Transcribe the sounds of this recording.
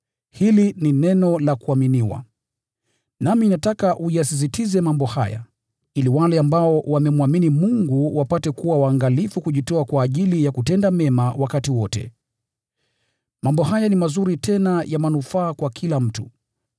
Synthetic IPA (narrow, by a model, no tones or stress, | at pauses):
hilininɛnɔlakuaminiwa̰ | naminatakaʔujasis̬itizɛmambɔha̰ja̰ | iliwalɛambaɔwamɛmwaminimuŋɡuwapatɛkuwawaːŋɡalifukuʄitɔakwaːʄilijakutɛndamɛmawakatiwɔtɛ̰ | mambɔɦajanimazuɾitʰɛnajamanufaːkwakʰilam̩tu